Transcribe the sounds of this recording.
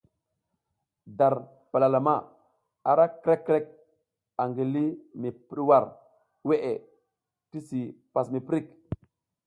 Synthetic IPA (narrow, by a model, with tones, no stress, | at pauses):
da˨ɾ | pa˨la˨la˨ma˦˨ | a˨ɾa˦kɾe˦kːɾe˦k̚ | a˨ŋɡi˨li˦mi˨pi˦ɾwa˦˨ɾ | we˦ʔe˨ | ti˦si˨pa˨smi˨pɾi˦˨k